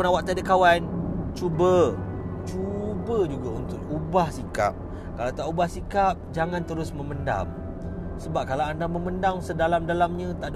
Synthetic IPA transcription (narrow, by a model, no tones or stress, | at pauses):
nawaʔt̪adəkawant͡ʃubət͡ʃubəd͡ʒuɡaunt̪ʊk̚ubahsika̰p̚ | kalawt̪aʔubahsikap̚d͡ʒaŋant̪əɾʊsməmənda̰m | səbap̚kalawandaməməndaŋsədalamdalamɲãt̪aʔd